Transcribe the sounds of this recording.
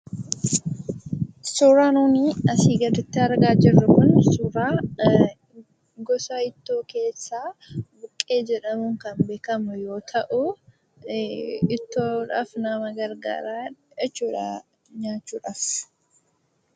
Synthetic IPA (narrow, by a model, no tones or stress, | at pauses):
sʊɾaːnuːniːɐsiːɡɐd̪ɪt̪ːɪɐɾɡaːd͡ʒɪrːʊkʊnsʊɾaː | ɡɔsaɪt̪ːoːke̞ːsːaːbʊkʼːe̞ːd͡ʒɛᶑɐmʊŋkɐnbe̞ːkɐmʊjo̞ːt̪ʰɐʔʊ | ɪt̪ːoːᶑa̰ːfnɐmɐɡɐɾɡa̰ːɾaːɛt͡ʃːuːᶑa̰ | ɲaːt͡ʃːuːᶑaːf